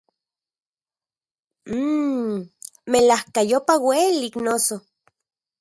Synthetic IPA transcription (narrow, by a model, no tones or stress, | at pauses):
melahkajopaweliknoso